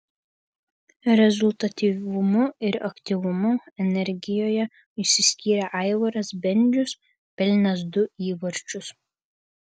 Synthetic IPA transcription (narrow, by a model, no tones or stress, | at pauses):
ɾʲɛzʊlˠʲt̪ɐt̪ʲiːʋʊmʊɪɾɐkt̪ʲiʋʊmʊɛnʲɛɾʲɡʲɪjoːjɛ | ɪʃʲsʲɪsʲkʲiːɾʲɛʔɑˑɪʋɐɾɐsbʲɛnʲd͡ʒʲʊs | pʲɛlʲnʲɐsd̪ʊiːʋɐɾʲt͡ʃʲʊs